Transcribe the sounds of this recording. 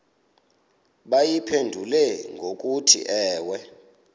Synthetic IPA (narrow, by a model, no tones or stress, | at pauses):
ɓajipʰendʱulɛŋɡʱok̬ʼutʰḭʔɛːwɛ